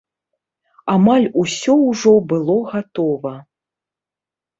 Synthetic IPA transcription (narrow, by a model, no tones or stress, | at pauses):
amalʲusʲɔwʐɔbɨlˠɔɣat̪ɔvɐ